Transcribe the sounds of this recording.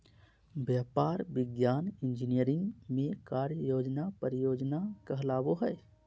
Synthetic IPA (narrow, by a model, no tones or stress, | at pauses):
bjaːpaːɾbɪɡjaːnɪnd͡ʒinijəɾɪ̃ŋɡmẽkaɾjəjoːd͡ʒnapəɾijoːd͡ʒnakəɦlaːboɦəe